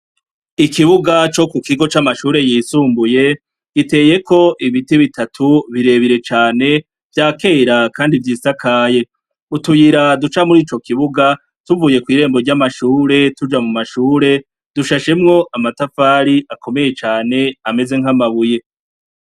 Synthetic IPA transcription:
ikiβuɡat͡ʃo̞kukiɡo̞t͡ʃamaʃuːɾe̞jiːsuːmbuje̞ | ɡ̥ite̞ːje̞ko̞ʔiβitiβitatʰuβiɾe̞βiɾe̞t͡ʃaːne̞ | vjaːke̞ːɾakaːndivjiːsakʰaːje̞ | utujiɾadut͡ʃamuɾiːt͡ʃo̞kiβuɡa | tuvuːje̞kwiːɾe̞ːmbo̞ɾɟamaʃuːɾe̞tud͡ʒamumaʃuːɾe̞ | d̥uʃaʃe̞mŋo̞ʔamatafaːɾiakʰo̞me̞je̞t͡ʃaːne̞ame̞ze̞ŋ̥ɦamaβuje̞

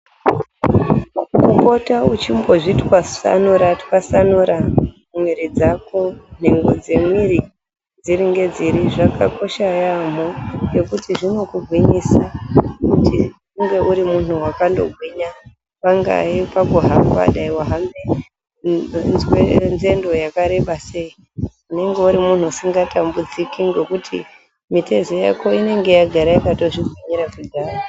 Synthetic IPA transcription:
kuko̞taut͡ʃimbo̞ʐitwasa̰nuɾatkasanuɾa | mwiɾid͡zakʰon̥̤e̞ŋɡo̞d͡ze̞mwiɾi | d͡ziɾiŋɡe̞d͡ziɾiʐakʰa̰ko̞ʃajamoje̞kutʰiʐino̞kuɡʱwiɲiːsakuti | uŋɡe̞ʔuɾimun̤uwakando̞̰ɡʱwiɲa | paŋɡa̰ipaɡuɦama̰ɗaiwaɦame | zwenze̞ndo̞jakaɾe̞ɓase̞i | une̞ŋɡe̞uɾimun̤uasiŋɡatʰambud͡zikiŋɡe̞kutʰḭ | mite̞zoja̰ko̞ine̞ŋɡe̞jaɡʱaɾajakato̞ʐiɡʱwiɲiɾakidʱaːro

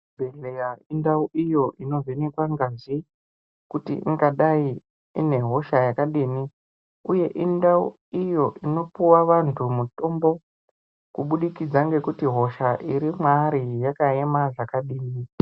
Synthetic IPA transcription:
bʱeɮeaindauʔijo̞ʔino̞venekwaŋɡazi | kutḭʔḭŋɡaɗai | ḭne̞ɦo̞ʃajakaɗini | uje̞ʔindau | ijo̞ʔino̞puwaʋantʰumuto̞mbo̞ | kuɓuɗikid͡zaŋɡe̞kutiɦo̞ʃaʔiɾimwaɾijakae̞maʐakaɗiːni

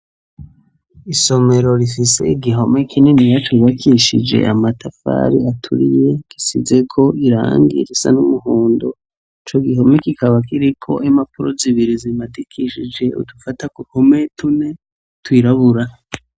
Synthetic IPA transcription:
iso̞me̞ɾo̞ɾifise̞̰iɡiɦo̞me̞kʰinenijat͡ʃuβakʰiʃḭd͡ʒe̞̰ʔamatafa̰ɾiatʰṵɾḭje̞ki̥size̞kʰo̞ʔiɾa̰ːŋɡḭɾisa̰numuɦuːndo | it͡ʃo̞ɡiɦo̞mekikaβakiɾikʰo̞̰ʔimapuɾoziβiɾizimatikʰiʃid͡ʒe̞ṵdufatakuhometune̞ | twiːɾaβuɾa

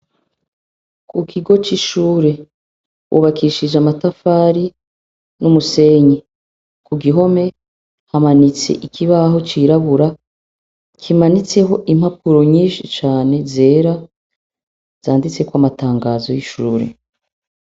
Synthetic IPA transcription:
kukʰiɡo̞t͡ʃiʃuːɾe̞ | wʔṵβakʰiʃid͡ʒamatafaːɾi | numuse̞ɲi | kuɡiɦo̞me̞ | hamanit͡sḛʔikʰiβaɦo̞t͡ʃiɾaβuɾa | kʰimanit͡se̞ɦo̞ʔim̥hapuɾo̞ɲiːʃit͡ʃaːne̞ze̞ːɾa | z̥aːndit͡se̞kwamataːŋɡazo̞jiʃuːɾḛ

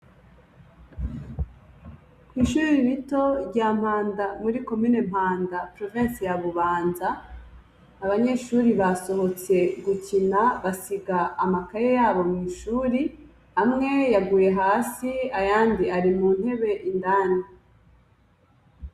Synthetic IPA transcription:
kwiːʃuːɾiβito̞ɟaːm̥haːndamuɾiko̞miːnem̥haːndapɾo̞vensejaβuβaːnzaː | βaɲe̞ʃuːɾiβaso̞ɦo̞t͡se̞ɡucinaβasiɡaːmakaɾejaːβo̞mŋiːʃuːɾi | amŋe̞jaɡuːje̞ɦaːsiajaːndiaɾimuːn̥he̞βe̞ʔindaːni

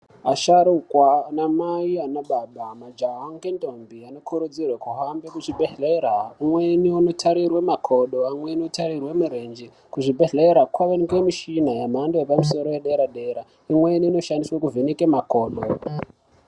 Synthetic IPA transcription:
aʃaɾukwanamaianaɓaɓamad͡ʒaɦaŋkentombiano̞kʰuɾud͡zirwekuɦambekut͡ʃibʱeɮeɾaumweniuno̞tʰaɾirwemakʰo̞ɗoamweniotʰaɾirwe̞muɾend͡ʒi | kuʐibʱeɮeɾakwaʋenikwemiʃinajamandojepamus̬o̞ɾojeɗe̞ɾaɗeɾa | imweniːno̞ʃandiswekuvenekemako̞ːɗo

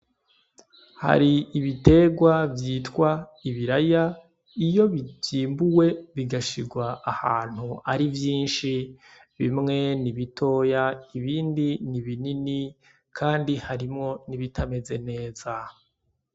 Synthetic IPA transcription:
ha̰ɾiːβite̞ɡwavjiːtkwaiβiɾaja | ijo̞βiiːmbuwe̞βiɡaʃiɾɡwaːhaːn̥huaɾivjiːnʃi | βimŋe̞niβitʰo̞ːjaiβiːndiniβinini | kʰaːndihaɾimŋo̞niβitʰame̞ze̞ne̞ːza

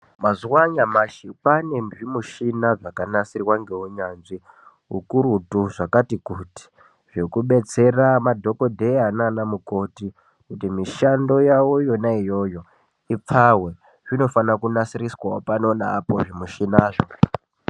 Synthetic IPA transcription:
mazuwaɲamaʃipane̞nʐimuʃinaʐakanasirwaŋɡe̞uɲanʐi | ɦukuɾutuʐakatikuti̥ | ʐ̥e̞kuɓe̞t͡se̞ramadʱo̞ko̞dʱe̞ananamuko̞ti | kutimiʃando̞jawojo̞naijo̞jo̞ | ip͡fawe̞ | ʐ̥ino̞fanakunasiɾiswaopano̞naːpo̞ʐimuʃinaːʐo

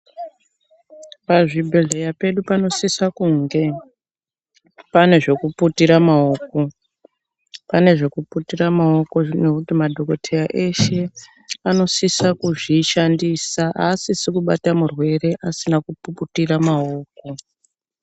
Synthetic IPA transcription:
paʐibʱeɮe̞jape̞ɗupano̞sisakuŋɡe̞ | pane̞ʐe̞kuputiɾamaoːko̞ | pane̞ʐe̞kuputiramao̞ko̞ne̞kutimadʱo̞ko̞tʰe̞jaʔe̞ʃe̞ | ano̞sisakuʐiʃandisaʔasisekuɓa̰tamurwe̞re̞ʔasinakupuputiramao̞ːko̞

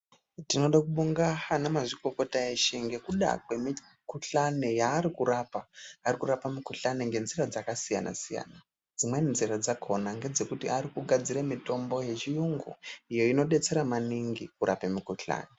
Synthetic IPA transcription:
tino̞ɗakuɓuŋɡaanamaʐiko̞ko̞taeʃeŋɡe̞kuɗa̰kwe̞mi | kuɬane̞jaːɾikurapaːrikuɾapamikuɬaneŋɡe̞nzirad͡zakasija̰na̰sija̰na | d͡zimwe̞nziɾad͡zakʰo̞naŋɡe̞d͡ze̞kutiaɾikuɡʱad͡ziɾamito̞mbo̞je̞t͡ʃijuŋɡṵijo̞ino̞ɗe̞t͡se̞ɾamaniŋɡikuɾapemikuɬa̰ːne

